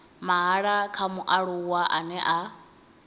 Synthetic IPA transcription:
maɦaɺakʰamuʔaɺuwaʔanɛʔa

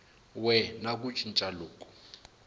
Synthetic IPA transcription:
wɛnakʼut͡ʃʰʼint͡ʃʼaloːkʼɔ̥

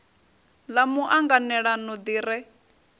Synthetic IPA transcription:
lamuʔaŋɡanɛɺanɔd̪iːɾɛ

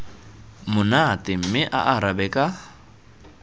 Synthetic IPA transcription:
mʊnatɪm̩mɪʔa̰ʔaɾabɛkʼa

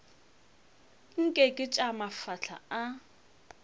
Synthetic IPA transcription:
ŋ̩kʼɛkʼɪt͡ʃʼamafaɬʰa̰a

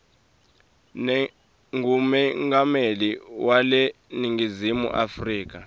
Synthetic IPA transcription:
n | ŋumɛŋɡameliwale | niŋɡʱizimṵʔafriːk̬a

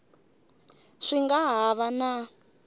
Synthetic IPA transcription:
ʂiŋɡaɦaβana

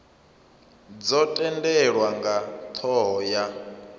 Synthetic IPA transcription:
d͡zɔtʼɛndɛɺwaŋɡat̪ʰɔɦɔja

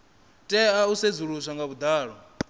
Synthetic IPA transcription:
tʼɛaused͡zuɺusʷaŋɡaβud̪aːɺɔ

